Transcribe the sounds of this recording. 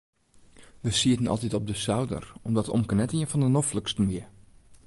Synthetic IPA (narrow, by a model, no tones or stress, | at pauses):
ʋəsiətənɔ̰lˠtitɔb̚dəsawdə̰rɔmdɔto̰mkənɛtiənfɔndənofləkstən̩ʋiə